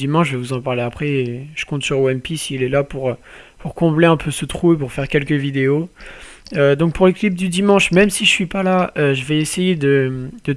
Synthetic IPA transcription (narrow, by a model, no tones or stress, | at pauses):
imɑ̃ʃvɛvuzɑ̃paʁleapχɛʒ̥ə̥kɔ̃t̪syʁoɛmpisiːlɛlapuʁøpuʁkɔ̃bleɛ̃pʰøsət̪χuep̬uʁfɛʁkʲɛlkʲəvid̪eo | ød̪ɔ̃k̚puʁləklip̚d̪yd̪imɑ̃ʃmɛmsiʒəsɥipalaøʒəvɛesejed̪əd̪̥ə